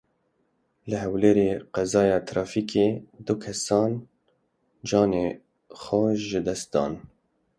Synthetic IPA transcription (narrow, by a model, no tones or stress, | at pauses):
ləɦɛwleːɾeːqɛzɑːjɑːt̪ʰɾɑːfiːkʰeːd̪ʊkʰɛsɑːn | d͡ʒɑːneː | xɔʒəd̪ɛst̪̚d̪ɑ̰ːn